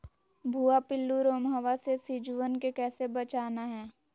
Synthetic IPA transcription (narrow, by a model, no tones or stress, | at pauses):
bʱuːapɪlːuɾoːmɦəʋasesid͡ʒʊwənkekɛːsebət͡ʃaːnaɦɛː